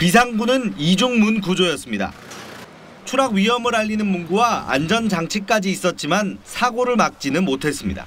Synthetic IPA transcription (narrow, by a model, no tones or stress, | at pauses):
pis̬ʰaŋɡunɯnid͡ʑuŋmunkud͡ʑojʌs͈ɯmɲida̰ | t͡ɕʰuɾaɡɥiɦʌmɯɾaʎːinɯnmunɡuwaa̰nd͡ʑʌnd͡ʑaŋt͡ɕʰik̚k͈ad͡ʑiːs͈ʌt̚t͡ɕ͈imansʰaɡoɾɯɭmak̚t͡ɕ͈inɯnmotʰe̞s͈ɯmɲḭda̰